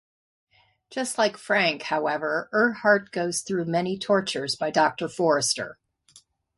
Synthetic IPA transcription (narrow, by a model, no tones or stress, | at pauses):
d̥ʒ̥ʌstˡlaɪkfɹæ̃ŋkhaʊɛvə˞ə˞hɑɹt̚ɡ̥oʊz̥θɹʉmɛñitʰɔɹt͡ʃə˞zbaɪdɑk̚tə˞fɔɹɨstə̰˞